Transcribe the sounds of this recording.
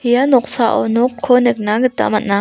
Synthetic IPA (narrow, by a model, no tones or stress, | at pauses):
hijanɔk̚saʔɔ̰nɔkʰːɔnɯk̚naɡɯt̪a̰mat̚na